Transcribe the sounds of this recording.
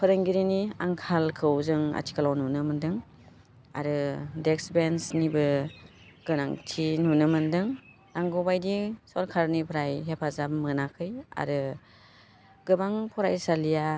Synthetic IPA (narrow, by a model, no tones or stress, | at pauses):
pʰɯɾɯŋɡiɾiniaŋkʰalkʰɯwzɯŋa̰tʰi̥kʰalawnunɯmɯndɯŋ | a̰ɾɯdeksbensnibɯ | ɡ̥ɯna̰ŋtʰinunɯmɯndɯŋ | naŋɡɔbajdisɔɾkʰaɾnipʰɾajɦepʰazabmɯnakʰɯja̰ɾɯ | ɡ̥ɯbaŋpʰɔɾajsalija